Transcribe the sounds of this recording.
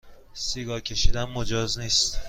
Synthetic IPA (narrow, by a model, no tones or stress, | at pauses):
siɡɒcʲʰe̞ʃid̪ænmod͡ʒɒːzniːst̪